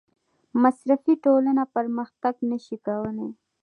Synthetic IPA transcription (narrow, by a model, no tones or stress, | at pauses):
masɾafiʈolanapəɾməxt̪aɡnaʃikawəne